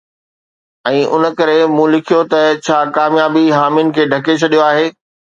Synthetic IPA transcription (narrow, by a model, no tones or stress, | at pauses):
ɛ̃ːʔʊ̰nə̆kɐɾemũːlɪkʰijot̪ɐt͡ɕʰaːkaːmjaːbiɦaːmjʊnɪ̆kʰeːɖʱɐket͡ɕʰɐɗijoaːɦeː